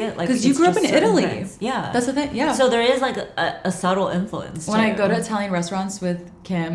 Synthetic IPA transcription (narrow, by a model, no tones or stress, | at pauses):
ɪʔlʔa̰ɪkʰʌzjɨɡɹʉʌpɨ̃nɪɾl̩ˠḭjæðætsðɨθɪ̃ŋjæsoʊðə˞ɪzlaɪkəəsʌɾl̩ˠɪ̰̃ɱflṵɨ̰̃nswə̃ñaɪɡoʊɾɨtʰɛlˠɪ̃ŋɹɛstɹ̥ɑ̃ntswɪð̥ | kʰæ̃m